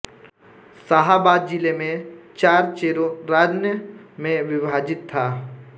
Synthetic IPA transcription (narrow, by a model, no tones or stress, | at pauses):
saɦaːbaːd̪̚d͡ʒɪlemẽt͡ʃaːɾt͡ʃeːɾõɾaːd͡ʒnjəmẽʋɪbʱaːd͡ʒɪt̪ʰːaː